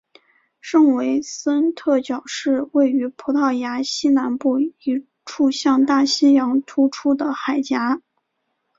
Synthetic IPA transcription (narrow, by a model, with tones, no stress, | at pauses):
ʂɤ˥˩ŋwe˧˥ɪsə˥nt̪ʰɤ˥˩t͡ɕjɑ˨˩ʊʂɻ̩˥˧we˥˩ɪy˧˥pʰu˧˥t̪ʰɑ˥˩ʊja˧˥ɕi˥na˧˥npu˥˩i˧˥ | ʈ͡ʂʰu˥˧ɕjɑ˥˧ŋt̪a˥˩ɕi˥njɑ˧˥ŋt̪ʰu˥ʈ͡ʂʰu˥d̪ə˨xa˨˩ɪt͡ɕja˧˥